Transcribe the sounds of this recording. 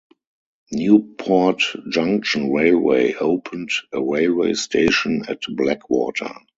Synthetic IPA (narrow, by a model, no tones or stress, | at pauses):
njuːpʰɔtd͡ʒãŋkʃə̃nɹeɪlwḛɪʔoʊpʰə̃ntəɹeɪlweɪstʰeɪʃə̃nɛ̰tblɛkʰwɔ̰ːtʰə̰˞